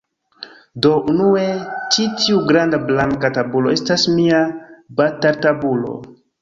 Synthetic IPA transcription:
do̞ʔunue̞t͡ʃitiuɡɾandablaŋkatabuloe̞stasmiabataɾtabulo̞̰

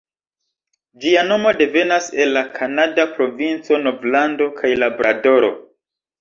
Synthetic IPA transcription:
d͡ʒiano̞mo̞de̞ve̞nase̞lːakʰanadapɾo̞vint͡so̞no̞vlando̞kʰajlabɾʔa̰do̞ɾo̞̰

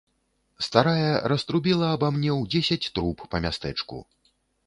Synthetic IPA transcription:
st̪aɾajɐɾɐst̪ɾubʲɛlˠɐːbamnʲɛwd͡zʲesʲɐt͡sʲt̪ɾupːɐmʲast̪ɛt͡ʂkṵ

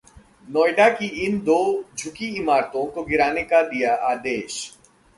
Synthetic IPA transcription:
nɔːjɖakiɪnd̪oːd͡ʒʱʊkiɪmaːɾt̪õkoɡɪɾaːnekad̪ijaʔaːd̪eːʃ

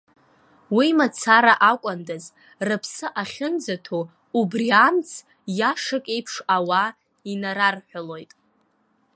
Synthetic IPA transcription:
wimat͡sʰaɾaʔakʷʼandaz | rɨpʰsɨʔaχʲɪnd͡zatʰo | ubriant͡sʰ | jaʂakʼe̞jpʰʂawa | inaɾarħʷᶣalo̞jtʼ

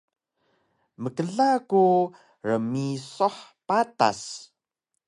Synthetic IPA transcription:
məkəɮaku | rəmisoħpata̰s

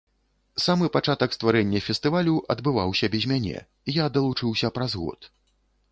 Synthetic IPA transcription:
samɨpat͡ʂat̪ɐkst̪vaɾɛnʲːɐfʲɛst̪ɨvalʲuʔɐd̪bɨvawsʲɐbʲɛzʲmʲanʲɛ̰ | ijad̪ɐlˠut͡ʂɨwsʲɐpɾɐzɣɔ̰t̪

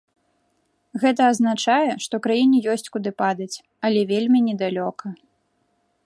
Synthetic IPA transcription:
ɣɛt̪ɐːznat͡ʂajɛʂt̪ɔwkɾajinʲɛjɔsʲt͡sʲkud̪ɨpad̪ɐt͡sʲ | ɐlʲɛvʲelʲmʲinʲɛd̪alʲɔkɐ

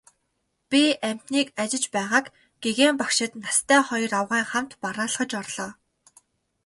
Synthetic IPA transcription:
pʲiʔæm̥ʲt̪niːkat͡ɕɪ̆t͡ɕpæːʁaːk | ɡ̥eɣeːmpakʃɪ̆t̪nast̪ʰæːχɔjɞ̆rawʁæːŋχam̥t̪paɾaːɮ̆χə̆t͡ɕɔrɮɔː

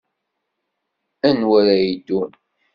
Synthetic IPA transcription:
ænwæɾæjid̪un

